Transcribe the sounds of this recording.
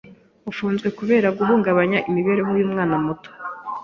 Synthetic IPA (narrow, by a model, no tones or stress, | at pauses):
ufuːnzɡwe̞kuβe̞ːɾaɡuɦuːŋɡaβaɲaʔimiβe̞ɾeɦojuːmŋaːnamuto̥